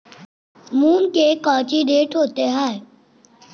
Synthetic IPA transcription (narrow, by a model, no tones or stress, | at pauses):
muːnkekãːt͡ʃiɖeːʈɦoːt̪eɦɛːe